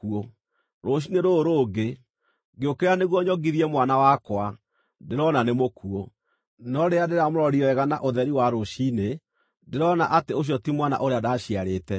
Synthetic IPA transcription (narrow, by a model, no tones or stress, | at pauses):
uo | ɾoɕ̬ineɾoɾoːɡe | ɡeokeɾaneɣwɔɲɔɡiðiɛmwanawakwa | deɾɔnanemokuo | nɔɾeadeɾamoɾɔɾiɔɛɣana̰ʔoðɛɾiwaɾoʃine | deɾɔnaʔateoɕ̬jɔtimwana̰ʔoɾeadaːɕiaɾeːtɛ